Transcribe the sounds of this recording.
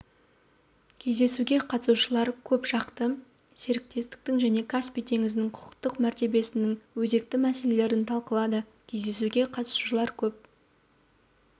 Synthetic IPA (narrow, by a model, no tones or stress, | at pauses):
kʲʰe̞zd̪e̞suɡʲe̞qʰɑt̪ə̥suʃəlˠɑɾkʲʰɵpʃɑqt̪ə | se̞ɾɪk̚t̪e̞st̪ɪ̥k̚t̪ɪŋʒæne̞kʰaspijt̪ʰe̞ŋɪzɪnɪŋqʰʊ̥ə̥qt̪əqmæɾt̪e̞be̞sɪnɪŋwɵze̞k̚t̪ɪmæse̞le̞le̞ɾɪnt̪ʰɑlˠqəlˠɑd̪ə | kʲʰe̞zd̪e̞suɡʲe̞qʰɑt̪əsuʃəlˠɑɾkʲʰɵp̚